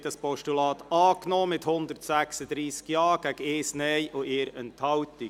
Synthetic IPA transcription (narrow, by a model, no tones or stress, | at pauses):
dɑspɔʃtulɑːt̪ɑːknoːmɪthʊnd̪əɾtsæksəd̥̪ɾiːsɡ̥jɑːɡ̥æɡ̥eːsnɛjʔoeːɾəntʰhɑwt̪ɪ